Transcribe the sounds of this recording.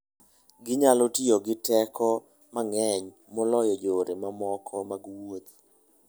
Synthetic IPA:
ɡɪɲalotioɡɪtɛkʰɔ | maŋɛɲ | mɔlɔjɔd͡ʒoɾemamɔkʰɔmaɡwot̪̚

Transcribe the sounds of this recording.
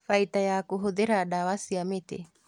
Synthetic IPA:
fait̪ajakuɦoðeɾaɗawasiamet̪ḛ

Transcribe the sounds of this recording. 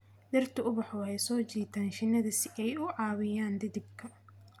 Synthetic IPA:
d̪ɐrt̪ʰɐʊbɐħɔwhɛjsɔːt͡ʃiːt̪ʰaːnʃɪnɐðɐsɪɛjʊʕɑːβɪjaːnd̪ɪðɪb̚kʰɐ

